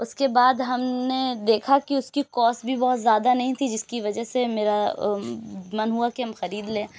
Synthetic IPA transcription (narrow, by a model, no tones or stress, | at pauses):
ʊskebaːd̪ɦɐmned̪eːkʰakiʊskikɔːsbʱibɔːt̪zjaːd̪anɐɦĩt̪ʰid͡ʒɪskiʋɐd͡ʒəɦsemeːɾa | mɐnɦuakiɦɐmxɐɾiːd̪lẽː